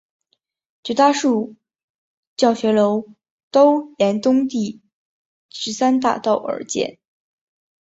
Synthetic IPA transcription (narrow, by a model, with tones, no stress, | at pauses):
t͡ɕu˧˩t̪a˥ʂu˥˩ | t͡ɕjɑ˥˩ʊɕɥɛ˧˥lo˧˥ʊ | t̪o˥ʊjɛ˧˥nt̪ʊ˥ŋt̪i˥˩ | ʂɻ̩˧˥sa˥nt̪a̰˥˧t̪ɑ˥˩ʊʔə̰˞˧˥t͡ɕjɛ̰˥˩n